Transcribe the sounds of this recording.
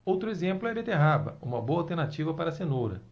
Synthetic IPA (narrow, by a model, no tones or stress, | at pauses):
owt̪ɾʊezẽmplʊɛbet̪eɦabɐ̰ũmɐboɐawˠt̪eɾnat͡ʃivɐpaɾɐsenuɾɐ̰